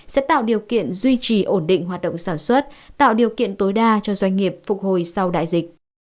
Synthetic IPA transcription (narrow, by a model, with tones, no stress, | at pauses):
sɛ̰˧˥t̪a̰ː˧˨wɗi˨˩əwkḭ˧˨ənzwi˧t͡ɕi˧˩ʔo˧˩nɗḭ̈˧˨ŋɦwaː˨˩t̚ɗə̰˧˨ŋ͡msaː˧˩nswə˦˥t̚t̪a̰ː˧˨wɗi˨˩əwkḭ˧˨ənt̪o˨˦jɗaː˧t͡ɕɔ˧zwa˧jŋ̟ŋi˨˩əp̚fʊ˨˩k̚ho˨˩jsa˧wɗa̰ː˧˨jzï˨˩k̚